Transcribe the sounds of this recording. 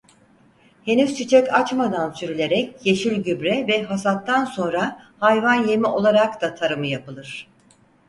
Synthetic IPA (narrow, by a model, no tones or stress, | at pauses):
he̞nyzt͡ʃʰit͡ʃʰɛcat͡ʃmad̪ansyɾylʲe̞ɾɛcjeʃilʲɟybɾɛvɛɦasat̪ːanso̞nɾa | hajvanje̞miʔo̞lˠaɾakt̪at̪ʰaɾɯmɯjapɯlˠɯɾ̥